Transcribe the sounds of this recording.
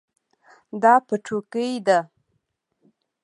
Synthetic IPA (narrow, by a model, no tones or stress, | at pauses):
d̪ɑpəʈ͡ʂʰokəjd̪a